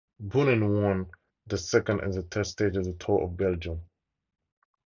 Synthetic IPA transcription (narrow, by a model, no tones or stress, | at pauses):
bunɨ̃nwɔ̃n | ðəsɛkə̃ndɪ̰zðətʰɛθsteɪd͡ʒəvðətʰɔʔɔ̰vbɛlˠd͡ʒə̃m